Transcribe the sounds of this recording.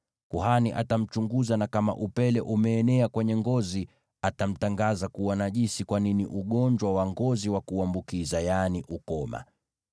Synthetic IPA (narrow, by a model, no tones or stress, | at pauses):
kuɦaniʔa̰tam̩t͡ʃuŋɡuzanakama̰ʔupɛlɛʔumɛːnɛakwɛɲɛŋɡɔzi | atam̩taŋɡazakuwanaʄisikwaniniʔuɠɔɲd͡ʒwawaŋɡɔziwakuambukizajaniʔukɔma̰